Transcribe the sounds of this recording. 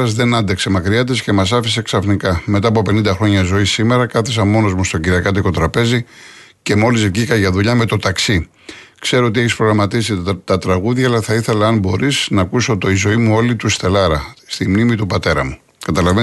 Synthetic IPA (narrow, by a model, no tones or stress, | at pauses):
ɐzðe̞nɐnd̪e̞kse̞mɐkɾiɐt̪esce̞mɐsɐfise̞ksɐfnikɐme̞t̪ɐːpo̞pe̞nind̪ɐxɾo̞ɲɐzo̞isːime̞ɾɐkɐθes̬ɐmo̞no̞zmust̪o̞ɟiɾiɐkɐt̪iko̞t̪ɾɐpe̞zi | ce̞mo̞lizvʝikɐʝɐðuʎɐme̞t̪o̞t̪ɐksi | kse̞ɾoot̪̬ieçispɾo̞ɣɾɐmɐt̪isit̪ɐt̪ɾɐɣuðʝɐːlɐθɐiθe̞lɐɐnbo̞ɾisnɐːkusot̪oizo̞imuo̞lit̪ust̪e̞lɐɾɐst̪imnimit̪upɐt̪e̞ɾɐ̰mu | kɐt̪ɐlɐve